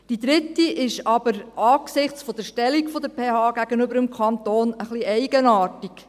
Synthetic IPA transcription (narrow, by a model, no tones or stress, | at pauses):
d̥id̪ɾɪtːiʔɪʃɑbəɾʔɑːksɪχt͡sfɔd̥̪əʃtɛlikfɔd̪əpʰeːhɑːɡ̥æɡ̥ənʏbəɾəmkʰɑnt̪oːnəχliɛɪɡ̥ənɑːrtik